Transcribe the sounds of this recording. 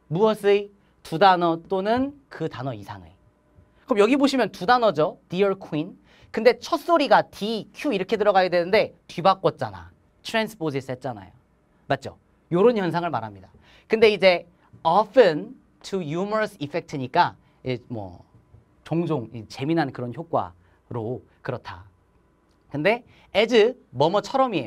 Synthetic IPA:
muʌs͈ʰɯi | tudanʌt͈onɯnkɯtanʌisʰaŋe̞̰ | kɯʌmjʌɡiboɕʰimjʌntudanʌd͡ʑotiʌɭkʰuin | kɯnde̞t͡ɕʰʌs͈oɾiɡatikʰjuiɾʌkʰe̞dɯɾʌɡajedwe̞nɯnde̞tɥibak͈ʌt̚t͡ɕ͈a̰na̰ | tʰɯɾensʰɯ̥pʰos̬ʰiset̚t͡ɕ͈ana̰jo̰ | mat̚t͡ɕ͈o̰ | joɾonçjʌnsʰaŋɯɭmaɾamɲida | kɯnde̞id͡ʑe̞ | ʌfʰɯn | tʰujumʌɾsʰifʰe̞k̚tʰɯɲik͈a | iemwʌ̰ | t͡ɕoŋd͡ʑoŋit͡ɕe̞minɦankɯɾʌnçjok̚k͈wa̰ | ɾo | kɯɾʌtʰa | kɯnde̞ | ed͡ʑɯmʌmʌt͡ɕʰʌɾʌmie̞jo

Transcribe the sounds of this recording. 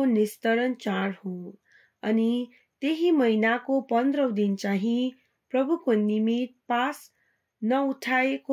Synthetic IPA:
onist̪ʌɾʌnt͡saɾho | ʌni | t̪eɦimʌjnakopʌnd̪ɾʌw̃d̪int͡saɦĩ | prʌbʱukonimit̪̚pas | nʌuʈʰaeko

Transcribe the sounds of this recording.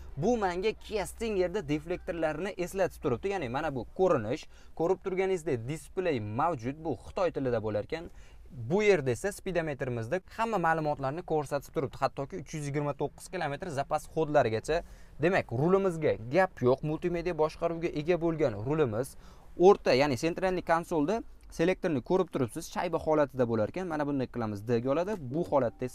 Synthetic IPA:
bʊmaŋɡʲakʲʰjast̪ɪŋje̞ɾd̪ad̪e̞fle̞k̚t̪eɾlaɾnɪʔe̞slat̪ʰɪ̥p̚t̪ʊɾɪp̚d̪̥ɪjanɪmanabʊkʰɵɾɪnɪʃ | kʰɵɾɪp̚t̪ʰʊɾɡʲanɪzd̪ed̪ɪsplejmawd͡ʒʊt̪̚bʊχɨ̥t̪ʰɒjt̪ʰɪlɪd̪abolaɾkʲʰan | bʊje̞ɾd̪ae̞saspid̪ame̞t̪ɾɪmɪzd̪ahamːamaːlˠʊmɒt̪laɾnɪkʰoɾsat̪ʰɪ̥t̪ʰʊɾɪp̚d̪̥ɪhat̪ʰːɒkʲɪʊt͡ʃʰjʏzjɪɡʲɪɾmat̪ʰoqːɨ̥z̥kʲɪlˠome̞t̪ɾzapasχod̪laɾɪɡʲat͡ʃʰad̪e̞makʲɾʊlɪmɪzɡʲaɡʲapjoqmʊlʲˠt̪ime̞d̪ijabɒʃqɑɾuwɡʲaʔe̞ɡʲabolˠɡʲanɾʊlɪmɪz | oɾt̪ʰajaːnɪse̞nt̪ɾalnɪkʰonsolˠd̪a | se̞le̞k̚t̪ʰoɾnɪkʰɵɾɪp̚t̪ʰʊɾɪpsɪz̥ʃa̰jbahɒlˠat̪ʰɪd̪abolaɾkʲanmanabʊnd̪ajqʰɨlˠamɪzd̪ɪɡʲɒlˠad̪ɪbʊhɒlat̪̚ːaes

